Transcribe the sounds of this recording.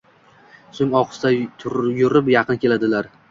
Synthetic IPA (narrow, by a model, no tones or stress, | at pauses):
sʊŋɒqʰɨ̥st̪at̪ʰʊɾjʊɾɪpjɑqʰɨnkʲe̞lad̪ɪlaɾ